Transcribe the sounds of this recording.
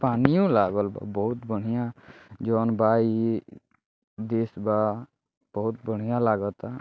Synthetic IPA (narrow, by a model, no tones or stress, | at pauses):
paːnijũlaːɡəlba̰bɔɦʊt̪bəɽ̤ijãd͡ʒɔːnbaːi | d̪eːsba | b̥əɦʊt̪bəɽ̤ijãlaːɡət̪a